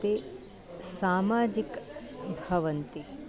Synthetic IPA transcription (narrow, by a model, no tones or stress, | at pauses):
t̪e | saːmaːd͡ʒikbʱɐʋɐnt̪i